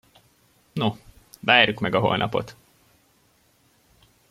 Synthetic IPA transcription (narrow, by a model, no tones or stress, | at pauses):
novaːrjukmɛɡɒɦo̞̰lnʔɒpo̞̰t̪